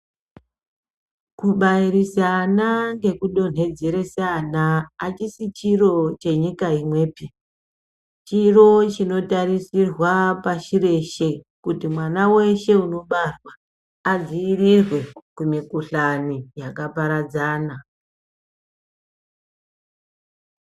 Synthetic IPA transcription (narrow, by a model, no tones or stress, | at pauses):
kuɓaiɾisanaŋɡe̞kuɗo̞n̤e̞d͡zeɾe̞sanaːt͡ʃisit͡ʃiro̞t͡ʃe̞ɲikaimwe̞ːpi | t͡ʃiro̞t͡ʃino̞taɾisirwapaʃiɾe̞ʃe̞ | kutimwanawe̞ʃe̞uno̞ɓarwaː | ziːrirwe̞kumikuɬanijakapaɾad͡zaːna